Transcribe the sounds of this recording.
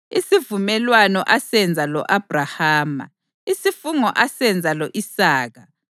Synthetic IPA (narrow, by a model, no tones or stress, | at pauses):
isivumɛlwanɔʔasɛnd͡zʱalɔ̰ʔab̥ʱrahaːma̰ | isifuŋɔʔasɛnd͡zʱalɔʔisaːɣa